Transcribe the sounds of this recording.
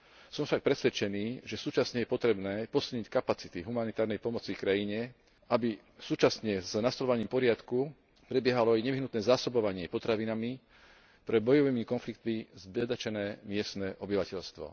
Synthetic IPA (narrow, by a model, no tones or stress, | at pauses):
sɔmfʃak̚pɾɛsʋɛt͡ʃɛniːʒɛsuːt͡ʃasɲɛjɛpɔt̪ɾɛbnɛːpɔsilˠɲickapat͡si̥t̪iɦumanit̪aːɾnɛjpɔmɔt͡sikɾajiɲɛ | ʔabi | suːt͡ʃasɲɛznast̪ɔlɔʋaɲiːmpɔɾɪat̪ku | pɾɛbjɛɦalɔajɲɛʋiɦnut̪nɛːzaːsɔbɔʋaɲɪɛpɔt̪ɾaʋinami | pɾɛbɔjɔʋiːmikɔnflikt̪mizbɛd̪at͡ʃɛnɛːmɪɛst̪nɛʔɔbiʋacɛʎst̪ʋɔ̰